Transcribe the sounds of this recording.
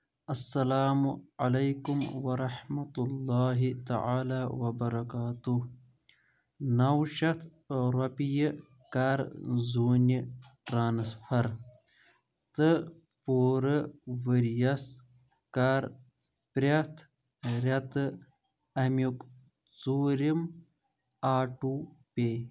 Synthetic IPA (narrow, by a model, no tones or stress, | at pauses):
ɐsːɐlaːmualajkumwɐɾɑħmɐt̪ulːɑːɦit̪a̰ʕaːlaːwɐbɐɾɐkaːt̪u | nawʃɐt̪ʰ | ɾɐpijə | kaːɾzuːniʈɾaːnsfʰɐɾ | t̪ɨ | poːɾəwəɾjɐs | kaɾ | pɾʲat̪ʰ | ɾɐt̪ɨ | ɐmjuk | t͡suːɾim | aːʈupe